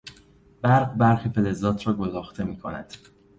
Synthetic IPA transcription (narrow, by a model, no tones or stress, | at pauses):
b̥æɾɢbæɾxifelezɒːt̪ʰɾɒːɡozɒːxt̪ʰe̞miːkʰonæ̰d̪̥